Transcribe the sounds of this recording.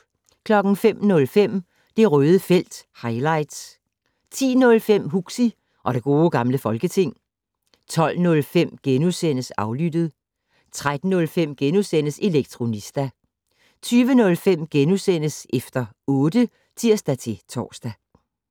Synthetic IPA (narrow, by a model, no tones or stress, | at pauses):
kʰlɒ̽ɡ̥n̩fem̰nɔ̽lfem̰ | d̥e̝ʁœːð̞ˠəfel̰d̥hɑ̈ɪlɑ̈ɪd̥s | t͡sʰḭːnɔ̽lfem̰ɦuɡ̥si | ʔɒ̽ɾ̥e̝ɡ̥o̝ːɡ̥ɑ̈mləfɒ̽lɡ̥ət͡sʰe̝ŋ̰ | t͡sʰɒ̽l̰nɔ̽lfem̰ɡ̥enusen̰əsɑ̈ʊlyd̥əð̞̩ˠ | t͡sʰʁad̥n̩ːɔ̽lfem̰ɡ̥enusen̰əse̝leɡ̥̚t͡sʰʁo̝nisd̥æ | t͡sʰyːʋənɔ̽lfem̰ɡ̥enusen̰əsefd̥ɐ | ɔ̽ːd̥ə | t͡sʰiɐ̰sd̥æt͡sʰe̝t͡sʰɒ̰ːsd̥æ